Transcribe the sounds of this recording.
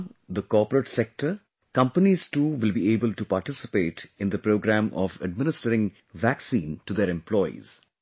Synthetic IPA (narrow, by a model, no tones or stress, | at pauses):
d̪əkɔːpəɾəʈsek̚ʈəɾ | kʌ̃mpəniz̥ʈuːʋɪlbieːbəlʈupaɾʈɪsɪ̥peːʈɪ̃nd̪əpɾoːɡɾæ̃mɔ̰ʋə̰ɖmɪ̃nɪsʈəɾɪ̃ŋ | ʋæksĩːnʈud̪eɾɛ̃mplɔɪḭz̥